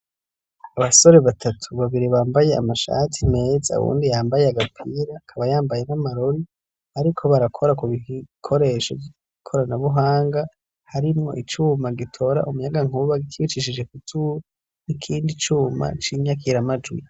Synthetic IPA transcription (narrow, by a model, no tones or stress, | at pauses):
aβaso̞ɾe̞βatʰatʰuβaβiɾiβaːmbaje̞a̰maʃa̰tʰime̞ːza̰ṵβṵːndijaːmbaje̞aɡapʰiɾakʰaβajaːmbaje̞namaɾoɾi | aɾikʰo̞βaɾakʰo̞ɾakuβikʰo̞ɾe̞ʃo̰i | kʰoɾanaβuɦaːŋɡa | haɾimŋo̞̰ʔit͡ʃuːmaɡitʰo̞ɾa̰ʔumujaɡaŋ̥uβaɡikiβit͡ʃiʃid͡ʒe̞kutuo | nikʰiːndit͡ʃuːma̰t͡ʃiːɲak̬iɾamad͡ʒwḭ